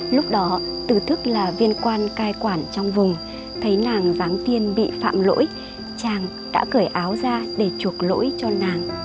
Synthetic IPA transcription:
lʊ˦˥k͡p̚ɗɔ˨˦t̪ɨ˨˩t̪ʰɨ˦˥k̚laː˨˩vi˧ənkwaː˧nkaː˧jkwaː˧˩nt͡ɕɔ˧wŋ͡mvʊ˨˩ŋ͡m | t̪ʰə˨˦jnaː˨˩ŋzaː˨˦ŋt̪i˧ənɓḭ˧˨fa̰ː˧˨mlo̰˧˥j | t͡ɕaː˨˩ŋ | ɗa̰ː˧˥kəː˧˩jʔaː˨˦wzaː˧ɗe˧˩t͡ɕu˨˩ək̚lo̰˧˥jt͡ɕɔ˧naː˨˩ŋ

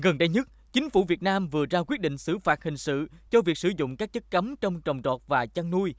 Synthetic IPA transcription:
ɣə˨˩nɗə˧jɲə˦˥t̚t͡ɕï˨˦ŋ̟fu˧˩vi˨˩ət̚naː˧mvɨ˨˩əzaː˧kwi˦˥ət̚ɗḭ˧˨ŋ̟sɨ̰˧˩faː˨˩t̚hï˨˩ŋ̟sɨ̰˧˨t͡ɕɔ˧vi˨˩ək̚sɨ˧˩zʊ̰˧˨ŋ͡mkaː˦˥k̚t͡ɕə˦˥t̚kə˨˦mt͡ɕwŋ͡mt͡ɕə˨˩wŋ͡mt͡ɕɔ˨˩t̚vaː˨˩t͡ɕa˧ŋnu˧j

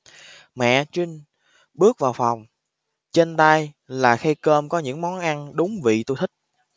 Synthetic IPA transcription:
mɛ̰˧˨t͡ɕwï˧ŋ̟ | ɓɨ˦˥ək̚vaː˨˩wfa˨˩wŋ͡m | t͡ɕe˧nt̪a˧j | laː˨˩xa˧jkəː˧mkɔ˨˦ɲɨ̰˧˥ŋmɔ˨˦nʔa˧nɗʊ˨˦ŋ͡mvḭ˧˨t̪u˧jt̪ʰï˦˥k̟̚

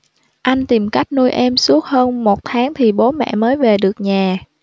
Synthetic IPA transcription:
ʔa˧jŋ̟t̪i˨˩mka˦˥jk̟̚nu˧jʔɛ˧msu˦˥ət̚həː˧nmo˨˩t̚t̪ʰaː˨˦ŋt̪ʰi˨˩ɓo˨˦mɛ̰˧˨məː˨˦jve˨˩ɗɨ˨˩ək̚ɲaː˨˩

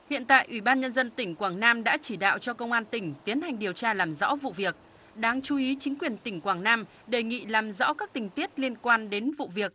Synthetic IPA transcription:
hḭ˧˨ənt̪a̰ː˧˨jʔwi˧˩ɓaː˧nɲə˧nzə˧nt̪ï˧˩ŋ̟kwaː˧˩ŋnaː˧mɗa̰ː˧˥t͡ɕi˧˩ɗa̰ː˧˨wt͡ɕɔ˧kə˧wŋ͡mʔaː˧nt̪ï˧˩ŋ̟t̪i˨˦ənha˨˩jŋ̟ɗi˨˩əwt͡ɕaː˧laː˨˩mzɔ̰˧˥vṵ˧˨vi˨˩ək̚ | ɗaː˧ŋt͡ɕu˨˦ʔi˨˦t͡ɕï˨˦ŋ̟kwi˨˩ənt̪ï˧˩ŋ̟kwaː˧˩ŋnaː˧m | ɗe˨˩jŋḭ˧˨laː˨˩mzɔ̰˧˥kaː˦˥k̚t̪ï˨˩ŋ̟t̪i˦˥ət̚li˧ənkwaː˧nɗe˨˦nvṵ˧˨vi˨˩ək̚

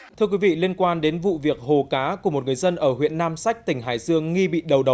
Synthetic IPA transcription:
t̪ʰɨ˧kwi˨˦vḭ˧˨li˧ənkwaː˧nɗe˨˦nvṵ˧˨vi˨˩ək̚ho˨˩kaː˨˦ku˧˩əmo˨˩t̚ŋɨ˨˩əjzə˧nʔəː˧˩hwḭ˧˨ənːaː˧msa˦˥jk̚t̪ï˧˩ŋ̟ɦa̰ː˧˨jzɨ˧əŋːi˧ɓḭ˧˨ɗə˨˩wɗə˨˩w

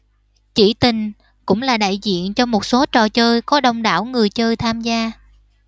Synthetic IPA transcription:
t͡ɕi˧˩t̪ï˨˩ŋ | kʊ̰˧˥ŋ͡mlaː˨˩ɗa̰ː˧˨jzḭ˧˨ənt͡ɕɔ˧mo˨˩t̚so˨˦t͡ɕɔ˨˩t͡ɕəː˧jkɔ˨˦ɗə˧˩wŋ͡mɗa̰ː˧˩wŋɨ˨˩əjt͡ɕəː˧jt̪ʰaː˧mzaː˧

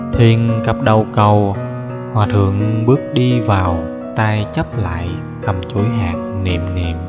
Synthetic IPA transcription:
t̪ʰwi˧ənkə˨˩p̚ɗə˨˩wkə˨˩w | hwaː˨˩t̪ʰɨ̰˧˨əŋɓɨ˦˥ək̚ɗi˧vaː˨˩w | t̪aː˧jt͡ɕə˦˥p̚la̰ː˧˨j | t̪ʰə˨˩mt͡ɕu˧˩˦jɦaː˨˩k̚nḭ˧˨əmnḭ˧˩əm

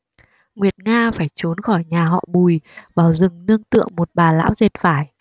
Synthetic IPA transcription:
ŋwi˨˩ət̚ŋaː˧faː˧˩jt͡ɕo˨˦nxɔ˧˩jɲaː˨˩ɦɔ̰˧˨ɓu˨˩jvaː˨˩wzɨ˨˩ŋnɨ˧əŋt̪ɨ̰˧˨əŋmo˨˩t̚ɓaː˨˩la̰ː˧˥wze˨˩t̚faː˧˩j

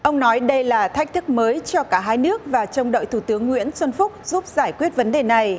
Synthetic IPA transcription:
ʔə˧wŋ͡mnɔ˨˦jɗə˧jlaː˨˩t̪ʰa˦˥jk̟̚t̪ʰɨ˦˥k̚məː˨˦jt͡ɕɔ˧kaː˧˩ɦaː˧jnɨ˦˥ək̚vaː˨˩t͡ɕə˧wŋ͡mɗə̰ː˧˨jt̪ʰu˧˩t̪ɨ˨˦əŋːwḭ˧˥ənswə˧nfʊ˦˥k͡p̚z̥u˦˥p̚zaː˧˩jkwi˦˥ət̚və˨˦nɗe˨˩na˨˩j

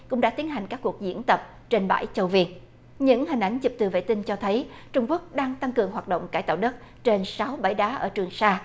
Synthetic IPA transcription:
kʊ̰˧˥ŋ͡mɗa̰ː˧˥t̪i˨˦ənɦa˨˩jŋ̟kaː˦˥kːu˨˩ək̚zḭ˧˥ənt̪ə˨˩p̚ | t͡ɕe˧nɓa̰ː˧˩jt͡ɕə˧˩wvi˧ən | ɲɨ̰˧˥ŋhï˨˩ŋ̟ʔa˨˦jŋ̟t͡ɕɨ˨˩p̚t̪ɨ˨˩vḛ˧˨t̪i˧nt͡ɕɔ˧t̪ʰə˨˦jt͡ɕʊ˧ŋ͡mku˦˥ək̚ɗaː˧ŋt̪a˧ŋkɨ˨˩əŋɦwaː˨˩t̚ɗo̰˧˨wŋ͡mkaː˧˩jt̪a̰ː˧˨wɗə˦˥t̚ | t͡ɕe˧nsa˨˦wɓa˧˩jɗaː˨˦ʔəː˧˩t͡ɕɨ˨˩əŋsaː˧

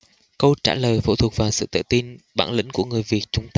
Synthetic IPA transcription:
kə˧wt͡ɕaː˧˩ləː˨˩jfṵ˧˥t̪ʰu˨˩ək̚vaː˨˩wsɨ̰˧˨t̪ə̰ː˧˨˩t̪i˧nɓa̰ː˧˩nlḭ̈˧˥ŋ̟ku˧˩əŋɨ˨˩əjvi˨˩ət̚t͡ɕʊ˨˧˦ŋ͡mt̪a˧

